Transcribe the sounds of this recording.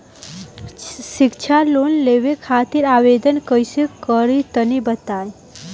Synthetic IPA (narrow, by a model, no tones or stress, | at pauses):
sɪkt͡ʃʰaloːnleːʋekʰaːt̪iɾaːʋeːd̪ənkəjsekəɾit̪ənibət̪aːj